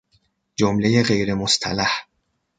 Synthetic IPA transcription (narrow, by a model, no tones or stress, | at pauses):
d͡ʒomlejeɢe̞jɾe̞most̪ʰæ̰læh